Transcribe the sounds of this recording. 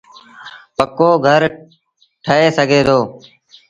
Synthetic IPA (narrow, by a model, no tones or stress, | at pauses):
pəkoːɡʱəɾ | ʈʰəɦeːsəɡʱeːt̪ʰoː